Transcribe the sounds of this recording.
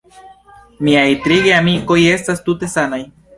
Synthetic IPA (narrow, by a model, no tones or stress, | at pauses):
miajt̪ɾiɡeamiko̞je̞stast̪ute̞sanaj